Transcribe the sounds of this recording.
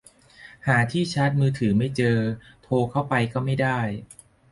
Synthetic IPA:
haː˩˦t̪ʰiː˥˩t͡ɕʰa˦˥t̪̚mɯː˧t̪ʰɯː˩˦ma˥˩jt͡ɕɤː˧t̪ʰoː˧kʰa˥˩wpa˧jkɔː˥˩ma˥˩jdaː˥˩j

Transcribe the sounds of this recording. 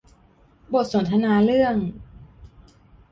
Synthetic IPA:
bo˨˩t̪̚so˩˦nt̪ʰa˧naː˧˥lɯ˥˩əŋ

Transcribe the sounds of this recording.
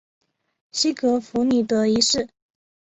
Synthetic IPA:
ɕi˥kɤ˧˥fu˧˥ny˨˩t̪ɤ˧˥i˧˥ʂɻ̩˥˩

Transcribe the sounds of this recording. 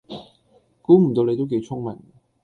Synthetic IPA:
kuː˨˥m̩˨˩t̪o˧wle˨˧jt̪o˥wke˨˧jt͡sʰʊ˥ŋmɐ˨˩n

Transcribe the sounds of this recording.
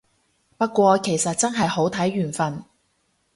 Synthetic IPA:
pɐ˥t̚kʷwɔː˧kʰe˨˩jsɐ˨t̚t͡sɐ˥nɦɐ˨jho˨˥wt̪ʰɐ˨˥jːyː˨˩nfɐ˨n

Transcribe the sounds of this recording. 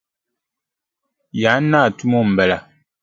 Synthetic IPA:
ja˨˦naː˦˨tu˦mɔ˦˨m̩˨bɛ˨la˨

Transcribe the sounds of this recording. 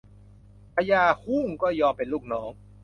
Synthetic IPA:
pʰa˧jaː˧hu˥˩ŋkɔː˥˩jɔː˧mpe˨nluː˥˩k̚nɔː˩˦˥ŋ

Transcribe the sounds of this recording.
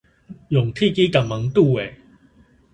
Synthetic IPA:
jʊ˨˩ŋt̪ʰi˥˧˨ki˦ka˨˩ma˨˦ŋt̪u˥˨e˨˩

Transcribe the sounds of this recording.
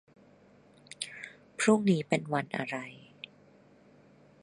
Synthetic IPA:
pʰɾu˥˩ŋniː˦˥pe˧nwa˧nʔa̰˧ɾa˧j

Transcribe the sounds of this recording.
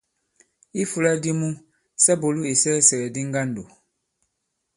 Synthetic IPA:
i˦fu˦la˦di˦mũ˦ | sɛ˦bo˨lu˦e˨sɛ˦sɛ˨ɾɛ˨di˦ŋ˦ɡa˦ndo˨

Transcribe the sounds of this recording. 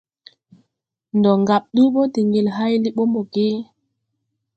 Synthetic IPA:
ndɔ˨ŋɡa˨ɓ̚ɗu˦ɓo˦di˨ŋi˨lɦa˦jli˦ɓo˦mo˨ɡe˦

